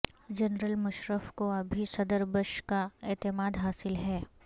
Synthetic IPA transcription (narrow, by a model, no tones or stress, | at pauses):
d͡ʒɐnɾəlmʊʃɾəfkoɐbʱisɐd̪əɾbəʃkaeːt̪ɪmaːd̪ɦaːsɪlɦɛː